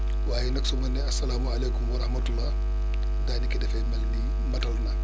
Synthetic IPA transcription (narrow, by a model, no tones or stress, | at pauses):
waːjɛnɐksumɐnːɛɐsːɐlaːmuɐleːkumwɐɾɐhmɐtulːaː | daːnikidɛfɛmbɐlni | mɐtɐlnɐ